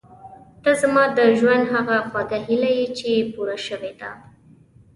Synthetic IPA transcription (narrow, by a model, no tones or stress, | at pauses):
t̪azamɑd̪əʒwand̪ɦaɣaxwaɡaɦilajit͡ʃejepuɾaʃəwed̪a̰